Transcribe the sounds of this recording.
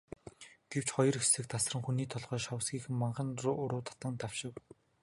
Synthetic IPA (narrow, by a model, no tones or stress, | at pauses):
ɡ̥ew̥t͡ɕχɔjɞ̆rexsɘ̆k̚t̪ʰasrə̆ŋxuniːt̪ʰɔɮʁœːʃɔw̆sɡiːxɘ̆mmaɴɢə̆nrʊʊɾʊːt̪ʰḁt̪ə̆nt̪aw̥ʃɪ̆w